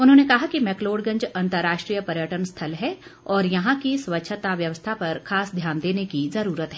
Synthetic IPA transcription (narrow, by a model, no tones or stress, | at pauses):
ʊnɦõːnekɐɦakimɛkloːɖɡɐ̃ɲd͡ʒɐ̃nt̪əɾːaːʃʈɾijəpɐɾjəʈənst̪ʰɐlɦɛɔːɾjɐɦãkiswʋətːʃʰət̪aʋjɐʋəst̪ʰapɐɾkʰaːsd̪ʱjaːnd̪eːnekizɐɾuːɾət̪ɦɛː